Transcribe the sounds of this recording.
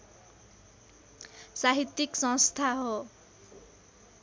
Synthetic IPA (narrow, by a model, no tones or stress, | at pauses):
saɦit̪ːiksʌ̃ŋst̪ʰaɦo